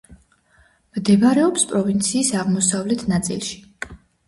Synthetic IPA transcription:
md̪ɛvaɾɛɔpspʼɾɔvint̪sʰiːsaʁmɔsavlɛt̪ʰnat̪sʼḭlˠʃi̥

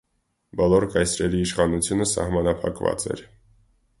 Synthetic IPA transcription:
bɔlɔɾkɑjsɾɛliːʃχɑnut͡sʰjunəsɑ̰hmɑnɑpʰɑ̰kvɑ̰t͡sɛ̰ɾ

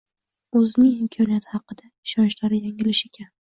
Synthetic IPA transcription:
ɵzɪnɪŋɪmkʰɒnijat̪ʰhɑqɨd̪aɪʃɒnt͡ʃlaɾɪjaŋɪlɪʃe̞kʲʰan

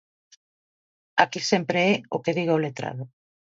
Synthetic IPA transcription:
akisempɾeɛokeðiɣaolet̪ɾa̰ðʊ

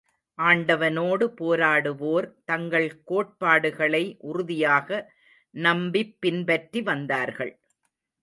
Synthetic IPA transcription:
ʔaːɳɖɐʋɐnoːɽɯpoːɾaːɽɯʋoːɾt̪ɐŋɡɐɭkoːʈ̚paːɽɯɣɐɭɐɪʔʊɾʊðɪjaːɣɐ | nɐmbɪpːɪnbɐʈriʋɐnd̪aːɾɣɐ̰ɭ

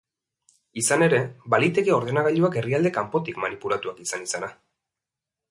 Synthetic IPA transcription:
isane̞ɾe̞balit̪e̞ɣeo̞ɾðe̞naɣaʎuake̞riald̪e̞kampo̞t̪ikmanipulat̪uakisanisana

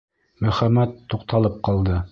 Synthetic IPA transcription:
mɵ̆χæmæt̪ːuq̚t̪ɑlˠɤp̚qɑlˠd̪ɤ

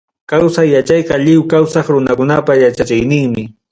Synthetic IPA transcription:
kawsajːat͡ʃɑjqɑʎɪwkawsɑχɾʊnakʊnapajat͡ʃat͡ʃɪjnɪŋmɪ

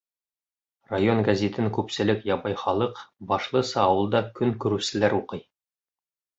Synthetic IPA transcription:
rajonɡazʲet̪ɘŋkʉpsɘ̆lɘkjɑbɑjχɒlˠɤqbɒʃlˠɤ̆sɑːwɤ̆lˠd̪ɑkɵŋkʉɾʉsɘ̆læɾuqɤj

